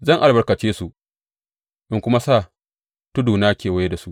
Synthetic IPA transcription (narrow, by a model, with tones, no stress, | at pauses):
zɐ˦˨ŋʔa˨lbɐ˨rkɐ˨t͡ʃeː˦su˨ | ʔɪ˦ŋkʷʊ˦ma˦saː˦˨ | tʊ˦duː˨naː˦kʲeː˨wɐ˦je˦da˨su˦ʔ